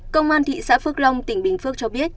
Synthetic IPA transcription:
kə˧wŋ͡mʔaː˧nt̪ʰḭ˧˨sa̰ː˧˥fɨ˦˥ək̚lə˧wŋ͡mt̪ï˧˩ŋ̟ɓï˨˩ŋ̟fɨ˦˥ək̚t͡ɕɔ˧ɓi˦˥ət̚

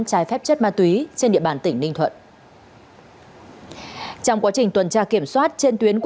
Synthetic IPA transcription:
nt͡ɕaː˨˦jfɛ˦˥p̚t͡ɕə˦˥t̚maː˧t̪wi˨˦t͡ɕe˧nɗḭ˧˨əɓaː˧˩nt̪ï˧˩ŋnï˧ŋ̟t̪ʰwə̰˧˨nʔ | t͡ɕɔ˧wŋ͡mkwaː˨˦t͡ɕï˨˩ŋ̟t̪wə˨˩nt͡ɕaː˧ki˧˩əmswaː˦˥t̚t͡ɕe˧nt̪wi˨˦ənk

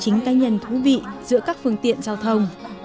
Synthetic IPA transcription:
t͡ɕï˨˦ŋ̟kaː˧ɲə˨˩nt̪ʰu˨˦vḭ˧˨zɨ̰˧˥əkaː˦˥k̚fɨ˧əŋt̪ḭ˧˨ənzaː˧wt̪ʰə˧wŋ͡m

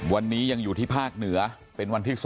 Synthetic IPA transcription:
wa˧nːiː˦˥ja˧ŋjuː˨˩t̪ʰiː˥˩pʰaː˥˩k̚nɯ˩˦ɐ | pe˧nwa˧nt̪ʰiː˥˩s

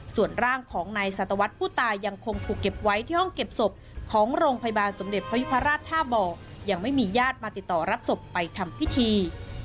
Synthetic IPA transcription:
su˨˩ənɾaː˥˩ŋkʰɔː˩˦ŋnaː˧jsa˨˩t̪ːa˧wa˦˥t̪̚pʰuː˥˩t̪aː˧jːa˧ŋkʰo˧ŋt̪ʰuː˨˩kːe˨˩p̚wa˦˥jt̪ʰiː˥˩hɔ˥˩ŋke˨˩p̚so˨˩p̚kʰɔː˩˦ŋɾoː˧ŋpʰa˧ja˧baː˧nso˩˦mde˨˩t̪̚pʰa˧ju˦˥pʰa˧ɾaː˥˩t̪ʰːaː˥˩bɔː˧ja˧ŋma˥˩jmiː˧jaː˥˩t̪̚maː˧t̪i˨˩t̪ːɔː˨˩ɾa˦˥p̚so˨˩pːa˧jt̪ʰa˧mpʰi˦˥t̪ʰiː˧

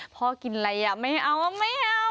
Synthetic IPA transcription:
pʰɔː˧˦ki˨˩nla˧ja˨˩ma˥˩jʔa˧˩wa˧ma˥˩ja˧

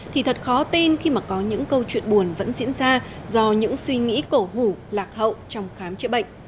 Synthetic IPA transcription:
t̪ʰi˨˩t̪ʰə˨˩t̚xɔ˨˦t̪i˧nxi˧maː˨˩kɔ˨˦ɲɨ̰˧˥ŋkə˧wt͡ɕwḭ˧˨ənɓu˨˩ənvə̰˧˥nzḭ˧˥ənzaː˧zɔ˧ɲɨ̰˧˥ŋswi˧ŋḭ˧˥ko˧˩hu˧˩laː˨˩k̚hə̰˧˨wt͡ɕɔ˧wŋ͡mxaː˨˦mt͡ɕə̰˧˥ɓə̰˧˨ŋ̟

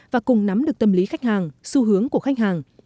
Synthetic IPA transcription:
vaː˨˩kʊ˨˩ŋ͡mna˨˦mɗɨ˨˩ək̚t̪ə˨˩mli˨˦xa˦˥jk̟̚haː˨˩ŋsu˧ɦɨ˨˦əŋku˧˩əxa˦˥jk̟̚haː˨˩ŋ

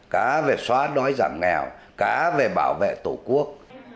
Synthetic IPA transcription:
kaː˨˦ve˨˩swaː˨˦ɗɔ˨˦jza̰ː˧˩mŋɛ˨˩wkaː˨˦ve˨˩ɓa̰ː˧˩wvḛ˧˨t̪u˧˩ku˦˥ək̚

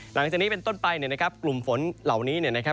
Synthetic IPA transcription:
la˩˦ŋt͡ɕaː˨˩niː˦˥pe˧nt̪o˥˩npa˧jni˥˩ɐna˦˥kʰa˦˥p̚klu˨˩mfo˩˦nla˨˩wniː˦˥ni˥˩ɐna˦˥kʰa˦˥

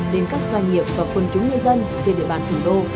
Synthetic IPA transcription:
ɗe˨˦nkaː˦˥k̚zwaː˧jŋ̟ŋi˨˩əp̚vaː˨˩kwə˧˩nt͡ɕʊ˨˦ŋ͡mɲɨ˧jzə˧n | t͡ɕe˧nɗḭ˧ə˨ɓaː˧˩nt̪ʰu˨˩ɗo˧

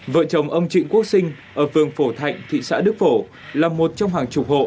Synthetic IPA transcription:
və̰ː˧˨t͡ɕə˨˩wŋ͡mʔə˧wŋ͡mt͡ɕḭ̈˧˨ŋ̟ku˦˥ək̚sï˧ŋ̟ʔəː˧˩fɨ˨˩əŋfo˧˩t̪ʰa̰˧˨jŋ̟t̪ʰḭ˧˨sa̰ː˧˥ɗɨ˦˥k̚fo˧˩ | laː˨˩mo˨˩t̚t͡ɕɔ˧wŋ͡mɦaː˨˩ŋt͡ɕʊ˨˩k͡p̚ho̰˧˨

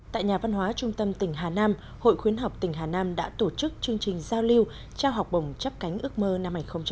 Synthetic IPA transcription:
t̪a̰ː˧˨jɲaː˨˩va˧nɦwaː˨˦t͡ɕʊ˧ŋ͡mt̪ə˧mt̪ï˧˩ŋ̟ɦaː˨˩naː˧m | ho̰˧˨jxwi˨˦ənɦa˨˩wk͡p̚t̪ï˧˩ŋ̟ɦaː˨˩naː˧mɗa̰ː˧˥t̪o˧˩t͡ɕɨ˦˥k̚t͡ɕɨ˧əŋt͡ɕï˨˩ŋ̟zaː˧wli˧əw | t͡ɕaː˧wɦa˨˩wk͡p̚ɓə˨˧˩wŋ͡mt͡ɕə˦˥p̚ka˨˦ŋ̟ʔɨ˦˥ək̚məː˧na˧mhːa˧˩ŋ̟xə˧wŋ͡mt͡ɕ

